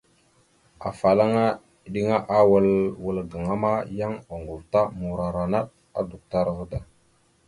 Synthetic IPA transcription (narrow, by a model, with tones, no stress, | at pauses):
a˨fa˨la˦ŋa˦˨ | ɗi˦ŋa˦ʔa˦wə˦lwə˨lɡə˨ŋa˦ma˦ja˦ŋa˨ŋɡu˨lta˦mu˨ɾa˨ɾa˨na˦ɗ | a̰˦du˨k̚ta˦ɾɣə˦da˨